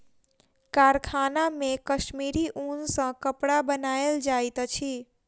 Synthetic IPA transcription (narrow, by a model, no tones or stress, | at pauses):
kaɾkʰanamekəʃmiɾiʔunsə̃kəpɽabənaeld͡ʒajt̪t͡ʃʰi